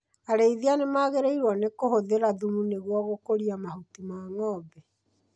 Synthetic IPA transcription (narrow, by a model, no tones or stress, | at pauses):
aɾeiðianemaːɣeɾeiɾwɔnekohoðeɾaðumuneɣwɔɣokoɾiamahutimaːŋɔːbɛ